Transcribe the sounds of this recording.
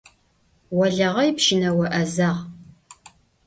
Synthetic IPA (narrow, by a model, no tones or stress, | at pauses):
wɐɮɐʁɐjpʃɪnɐwɐʔɐzaːʁ